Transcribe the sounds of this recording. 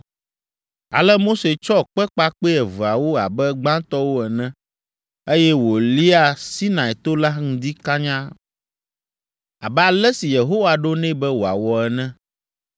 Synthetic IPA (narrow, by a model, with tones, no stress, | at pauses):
a̰˨lɛ˦mo˦se˨t͡ʃɔ˦˨k͡pɛ˦k͡pa˦k͡pe˦ɛ˨vu˨a˨wo˦a˨bɛ˦ɡ͡bã˦t̪ɔ˦wo˦ɛ˨nɛ̃˦ | e˦jɛ˦wo˨li˦a˨si˦nã˨ɛ˨t̪o˦la˦ŋ̩̃˦d̪i˦ka˦ɲã˦ | a̰˨bɛ˦a˨lɛ˦si˨je˨ɦo˦wa˨ɖo˦nɛ̃˦bɛ˦wo˨a̰˨wɔ˨ɛ˨nɛ̃˦